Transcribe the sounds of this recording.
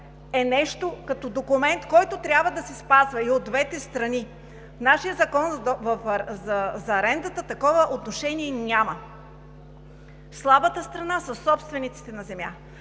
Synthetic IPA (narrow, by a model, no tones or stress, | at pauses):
ɛnɛʃt̪okɐt̪ɔd̪okumɛnt̪kɔjt̪ot̪ɾʲjabvəd̪ɐsɛspazvɐiod̪ːvɛt̪ɛst̪ɾɐni | fnaʃijəzɐkɔnvɐfzɐzɐːɾɛnd̪ət̪ət̪ɐkɔvəʔot̪noʃɛniɛnʲamə | slˠabət̪əst̪ɾɐnasɐsːɔpst̪vɛnit̪si̥t̪ɛnɐzɛmja̰